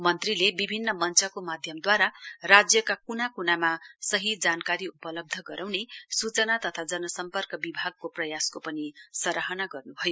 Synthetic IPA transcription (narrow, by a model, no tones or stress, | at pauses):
mʌnt̪rilebibʱinːʌmʌnt͡sʌkomad̪ʱjʌmd̪waɾarad͡zjʌkakunakunamasʌɦid͡zankaɾiupʌlʌb̚d̪ʱʌɡʌɾawnesut͡sʌnat̪ʌt̪ʰad͡zʌnʌsʌmpʌrkʌbibʱaɡ̚koprʌjaskopʌnisʌɾaɦʌnaɡʌrnubʱʌjo